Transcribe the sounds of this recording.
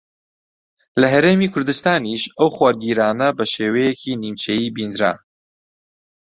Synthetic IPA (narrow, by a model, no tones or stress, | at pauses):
lɐɦɐɾeːmiːkʰʊɾd̪ɨst̪aːniʃɐwxwaːɾɡiːɾaːnɐbɐʃeːwɛjekʰiːniːmt͡ʃʰejiːbiːnd̪ɾa̰